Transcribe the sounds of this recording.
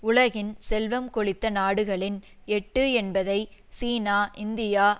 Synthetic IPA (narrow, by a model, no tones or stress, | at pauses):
ʊɭɐɣɪnsɛlʋɐmkɔɭɪt̪ːɐnaːɽɯɣɐɭɪn | ɛʈːɯɛnbɐðɐɪ | siːnaːʔɪnd̪ɪjaː